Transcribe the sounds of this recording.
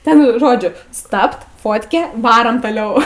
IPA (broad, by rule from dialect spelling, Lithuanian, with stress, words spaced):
ˈtʲɛn ˈʒoːd͡ʒʲʊ ˈstɐpt ˈfoːtʲkʲeː ˈʋɑːroːm toːˈlʲɛʊ